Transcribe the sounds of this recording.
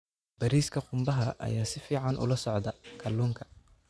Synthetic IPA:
b̥ɐɾiːskʰɐqʊmbɐɦɐʔɐ̰jaːsɪfiːʕɑnʔʊ̰lɐsɔʕd̪ɐkʰɐlːuːŋkʰɐ̥

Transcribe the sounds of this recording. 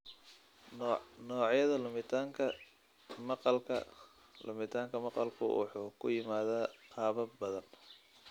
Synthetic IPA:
nɔːʕjɐðɐlʊmɪt̪ʰaːŋkʰɐ | mɑqɑlkʰɐ̰ | lʊ̰mɪt̪ʰaːŋkʰɐmɑqɑlkʰʊ̰wɑ̰ħuːkʰʊ̰jɪmaːðaːqʰɑːβɐbɐðɐn

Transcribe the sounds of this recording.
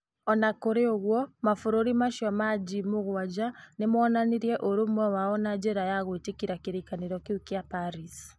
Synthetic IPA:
ɔnakoɾeoɣwɔmafoɾoɾimaʃjɔmad͡ʑimoɣwad͡ʑanemwɔnaniɾiɛʔoɾomwɛwaɔnad͡ʑeɾajaɣoetekiɾakeɾikaneɾɔkeukiapaɾis

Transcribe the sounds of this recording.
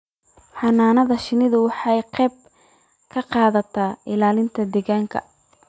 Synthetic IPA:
ħɑnaːnɐðɐʃɪnɪðʊwɑħɑjqɛːb̚ | kʰɐqɑːðɐt̪ʰaːʔɪlaːlɪnt̪ʰɐd̪ɛɣaːŋkʰɐ̰

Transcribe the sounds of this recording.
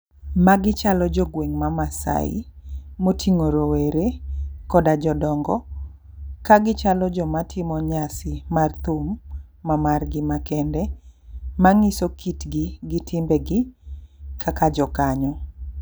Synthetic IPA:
maɡɪt͡ʃalɔd͡ʒɔɡweŋmamasa̰ɪ̰motʰiŋoɾoweɾekɔdad͡ʒɔdɔŋɡɔ | kaɡɪt͡ʃalɔd͡ʒɔmatʰɪmɔɲasɪmart̪umː | amarɡɪmakɛndɛ | maŋɪsokitɡɪɡɪtʰɪmbɛɡɪ | kʰakad͡ʒɔkaɲɔ

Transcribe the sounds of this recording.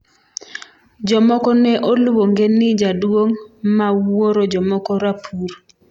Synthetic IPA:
d͡ʒɔmɔkɔnɛʔolwoŋɡenɪd͡ʒadwoŋmawoɾod͡ʒɔmɔkɔɾapʰuɾ

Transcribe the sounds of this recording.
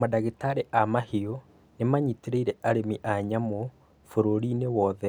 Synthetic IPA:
madaɣetaɾeʔamahio | nemaɲiteɾeiɾɛʔaɾemiʔaɲamo | foɾoɾiːnewɔːðɛ

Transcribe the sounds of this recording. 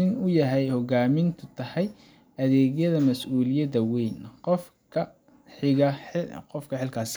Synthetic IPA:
ɪnʊjɐɦɛjhɔɣaːmɪnt̪ʰʊt̪ʰɐhɛj | ɐðɛːɣjɐðɐmɐsʔuːlɪjɐdɐwɛjnqɔf | kʰɐ | ħɪɣɐqɔfkʰɐħɪlkʰaːs

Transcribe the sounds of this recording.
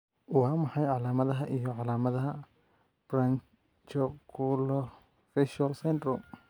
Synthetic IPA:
wɑːmɑħɑjʕɑlaːmɐðɐɦɐʔijɔʕɑlaːmɐðɐɦɐ | b̥ɾan | t͡ʃɔkʰulɔ | fɛʃɐlsɛnd̪ɾɔm

